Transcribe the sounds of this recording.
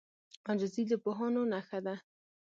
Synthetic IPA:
ɑnd͡ʒozid̪əpoɦɑnonaxad̪a

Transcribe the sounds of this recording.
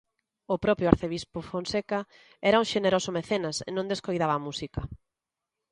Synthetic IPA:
ʊpɾɔpɾjʊaɾθeβispʊfonseka | ɛɾɐũŋʃeneɾosʊmeθenɐsḛnõnd̪eskojðaβɐːmusikɐ

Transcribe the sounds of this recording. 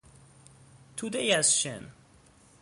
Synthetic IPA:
t̪ʰud̪ejæzʃɛ̰n

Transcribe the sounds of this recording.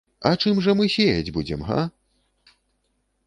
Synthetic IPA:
ɐt͡ʂɨmʐɐmɨsʲejɐd͡zʲbud͡zʲɛmɦa̰

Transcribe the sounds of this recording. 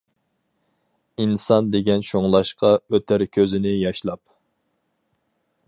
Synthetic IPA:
insɑnd̪eɡʲɛnʃʰoŋlˠɑʃqɑøt̪ʰæɾkʲʰøzɪnɪjɑʃlˠɑp̚

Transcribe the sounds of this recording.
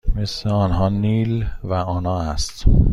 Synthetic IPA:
me̞sleɒːnɦɒːniːlvæɒːnɒːæst̪

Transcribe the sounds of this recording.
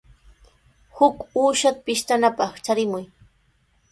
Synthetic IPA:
hʊkuːʃat̪apɪʃt̪anapɑχt͡ʃaɾɪmʊj

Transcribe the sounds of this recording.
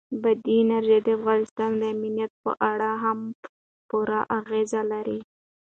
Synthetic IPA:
bad̪inaɾʒed̪əafɣɑnɪst̪ɑnd̪əaminijat̪̚pə̰ʔaɽaɦam | puɾaʔaɣezalaɾi

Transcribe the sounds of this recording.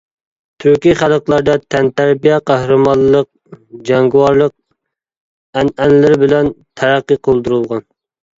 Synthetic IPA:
t̪ʰyɾkʲiχælˠəqlˠɑɾd̪ɛt̪ʰɛnt̪æɾbijɛqʰæhɾɨmɑlˠːəq̚ | d͡ʒɑŋɡiwɑɾlˠəq̚ | ænænlɪɾbɪlɛnt̪ʰæɾæqːəqʰəlˠd̪uɾulˠʁɑn

